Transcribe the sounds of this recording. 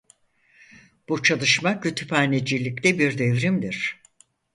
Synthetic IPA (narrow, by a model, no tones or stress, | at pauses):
b̥ut͡ʃʰalˠɯʃmakʰøt̪ʰy̥paːned͡ʒilʲict̪ɛbiɾd̪evɾimd̪iɾ̥